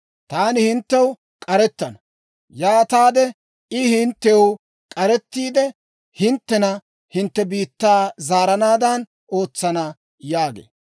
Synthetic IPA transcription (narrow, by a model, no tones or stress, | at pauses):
t̪aːnɪhɪnt̪ːɛw | kʼɐɾɛt̪ːɐnɐ | jaːt̪aːd̪ɛ | ʔɪhɪnt̪ːɛw | kʼɐɾɛt̪ːiːd̪ɛ | hɪnt̪ːɛnɐ | hɪnt̪ːɛbiːt̪ːaːzaːɾɐnaːd̪ɐn | oːt͡sːɐnɐ | jaːɡḛː